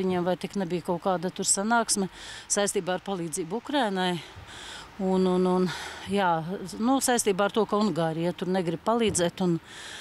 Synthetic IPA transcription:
iɲemvajt̪iknɛbijkaʊkaːd̪at̪uɾsanaːksmʲɛsajst̪iːbaːaɾpalˠiːdziːbukɾajnaj | unununjaːnusajst̪iːbaːaɾt̪uɔkaunɡaːɾijat̪uɾnɛɡɾib̚palˠiːd̪zɛːt̪ʊn

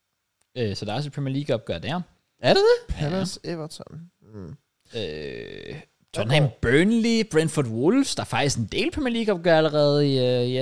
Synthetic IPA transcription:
øsɒd̥ɑ̈ɒsə̥pʰʁɛmiɐliːɡ̥ɒb̥̚ɡ̥ɶɐd̥æɐ | æɐɾ̥ed̥epʰælseʋɐt͡sʰɔn | ø | t͡sʰɒdn̩hæmb̥ønlib̥ʁend̥fɔdwolfsd̥ɑ̈æɐfɑ̈ɡ̥d̥isɡ̥end̥e̝̰ːlpʰʁɛmiːɐliːɡ̥ɒ̽b̥̚ɡ̥ɶɐæləʁɛːð̞̩ˠ

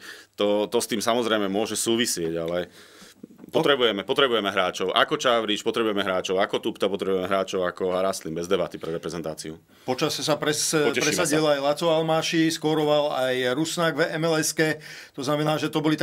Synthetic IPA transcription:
t̪ɔt̪ɔst̪iːmsamɔzɾɛɪmɛmʊɔʒɛsuːʋisɪɛɟalɛ | pɔt̪ɾɛbujɛmɛpɔt̪ɾɛbujɛmɛɦɾaːt͡ʃɔʊʔa̰kɔt͡ʃaʋɾit͡ʃpɔt̪ɾɛbujɛmɛɦɾaːt͡ʃɔʊakɔt̪upt̪apɔt̪ɾɛbujɛmɛɦɾaːt͡ʃɔʊakɔɾaːslimbɛzd̪ɛbat̪ipɾɛɾɛpɾɛzɛnt̪aːt͡siu | pɔt͡ʃasɛsapɾɛsɔɛɾɛsaɟilajlat͡sɔʊalmaːʃiskɔɾɔʋalajɾusnaɡvɛmɛlɛskɛt̪ɔznamɛnaːʒɛt̪ɔbɔlit̪

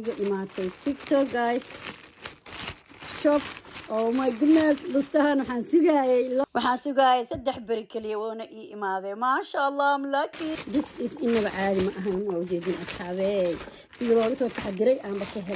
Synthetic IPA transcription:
ɪɣɐʔɪmaːt̪ʰɛjsɪkt̪ʰɔɡajs | ʃɔpʔɔːmaɡnɛsbɐst̪ʰɐɦɐnwɑħɑːnsʊɣajɛjlɐwʔɑħɑːnsʊɣaːjɛsɐd̪ːɛħbɪɾɪkʰɐlijɛwɔːnɐʔiːʔɪmaːðɛjmaːʃaʔɑlˤːɑmlakʰid̪ɪsɪsɪnːɐβɐʕɑːðɪmɐʔɐɦaːnwaːʊt͡ʃɛːðiːnɐsħɑːβɛj | sɪðilɔːɣɐsɔːt̪ʰɐħɑd̪ɪɾɛjʔaːmbɐkʰɐɦɛ

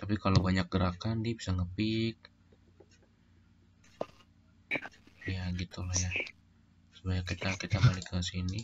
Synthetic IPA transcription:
t̪apikalowbaɲak̚ɡəɾakandibisaŋəpɪk̚ | jaɡit̪ulahja | subajakit̪akit̪abalikəsini

